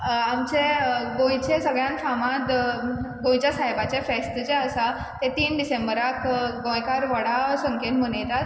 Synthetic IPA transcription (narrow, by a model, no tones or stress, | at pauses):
amt͡ɕeɡõjt͡ɕesəɡɭjãnfamãt̪ | ɡõjt͡ɕjasaɦjbat͡ɕefesʈt͡ɕeəsa | t̪et̪iːnɖisembəɾakɡõjkaɾʋəɽasəŋkʰenmənejt̪at̪̚